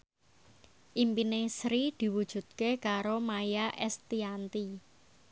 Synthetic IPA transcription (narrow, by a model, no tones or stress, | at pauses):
ʔimpinesɾid̪̥i̤wud̥ʒ̥ṳt̪̚kekaɾomajaʔɛst̪iant̪i